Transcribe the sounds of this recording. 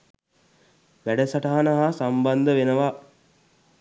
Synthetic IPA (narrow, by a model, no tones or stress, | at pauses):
ʋæɖəsaʈaɦanəɦasamband̪əʋenəʋa